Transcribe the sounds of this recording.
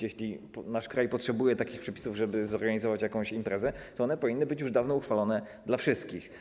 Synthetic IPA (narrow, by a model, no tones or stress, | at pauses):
jeɕlʲipnaʂkɾajpɔtʂɛbujɛt̪akʲixpʂɛpʲi̥suvʐɛbɘzɔɾɡaɲizɔvat͡ɕjakɔ̃w̃ɕimpɾɛzɛt̪ɔɔnɛpɔvʲinːɘbɘt͡ɕjuʐd̪avnɔuxfalɔnɛ | d̪lafʂɘst̪̚kʲix